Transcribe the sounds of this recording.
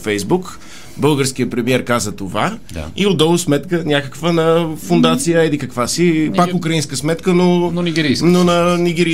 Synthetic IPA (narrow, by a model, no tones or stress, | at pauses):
fɛjzbuk | bɤlˠɡəɾsk̟ijəpɾɛmiɛɾkazət̪ovad̪̰iod̪ɔlˠʊsmɛt̪kənʲakəkvənɐfʊnd̪at̪sijəɛd̪ikəkvasipakʊkɾɐinskəsmɛt̪kənononiɡʲɛɾinonɐniɡ̟ɛɾi